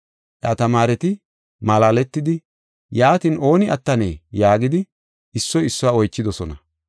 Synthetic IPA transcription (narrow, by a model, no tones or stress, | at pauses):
ʔjɐt̪ɐmaːɾɛt̪ɪ | mɐlaːlɛt̪ːɪd̪ɪ | jaːt̪ino̞ːnɪʔɐt̪ːɐneːjaːɡɪd̪ɪ | ɪsːɔjɪsːʊwaːɔjt͡ʃːɪd̪ɔsɔnɐ